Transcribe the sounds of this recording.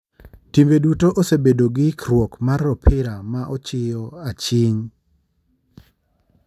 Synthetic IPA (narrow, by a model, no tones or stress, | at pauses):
timbedutoʔosebedoɡɪkrwɔkmarɔpʰɪɾamaʔɔt͡ʃɪjɔat͡ʃiɲ